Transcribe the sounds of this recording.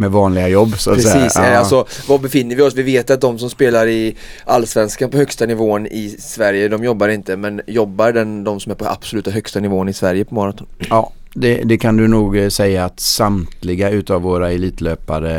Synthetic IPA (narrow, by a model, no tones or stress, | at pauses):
mɛvɑːnlɪɡajɔbːsa̰t̪ɾsɛiːsɛalsɔvɑbɛfɪnːəɾvɪɔsvɪveːt̪at̪̚d̪ɔmsɔmspeːlaɾɪ | ʔalːsvɛnskanpɔhœkst̪anɪvoːənɪsvæɾjəd̪ɔmjɔbːaɾɪnt̪əmɛnjɔbːaɾɖɛnd̪ɔmsɔmæɾpʰɔʔa̰b̥sɔlʉ̟ːt̪aɦœkst̪anɪvoːənɪsvæɾjəpʰɔmɔːɾat̪ʰɔnɑː | d̪ɛd̪ɛkʰand̪ɵnuːɡsɛjːaːt̪samt̪lɪɡaʉ̟ːt̪avːoːɾaɛliːt̪ʰløːpad̪ə